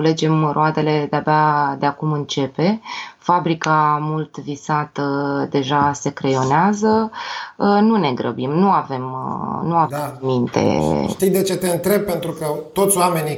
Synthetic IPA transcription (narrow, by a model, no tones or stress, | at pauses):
le̞d͡ʒe̞mrʔoad̪e̞le̞d̪eabead̪eakumɨnt͡ʃe̞pe̞fabɾikamult̪visat̪əd̪e̞ʒase̞kɾejo̞neazə | nune̞ɡɾə̰bimnuave̞mnuamint̪e̞̰ʃt̪ijd̪e̞t͡ʃe̞t̪e̞ɨnt̪ɾe̞b̚pe̞nt̪ɾukət̪o̞t̪sʲoame̞ni